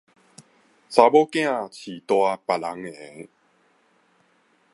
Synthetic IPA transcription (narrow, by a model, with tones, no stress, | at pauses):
sa˧bɔ˦kj̃ã˥˧˨t͡ɕʰi˨˩t̪wa˧pa˨˩la˨˦ŋɛ˨˩˨ŋ